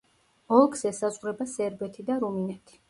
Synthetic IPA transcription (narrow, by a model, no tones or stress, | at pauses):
ɔlˠksɛsazʁɾɛbasɛɾbɛt̪ʰid̪aɾuminɛt̪ʰi̥